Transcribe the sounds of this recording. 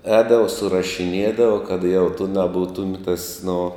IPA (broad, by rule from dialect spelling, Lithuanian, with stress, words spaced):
ˈɛːdɐʋɐ sʊrɐʃʲɪˈnʲiɛdɐʋɐ kɐt jɛʊ tʊ nɐˈbuːtʊm tɐs nʊ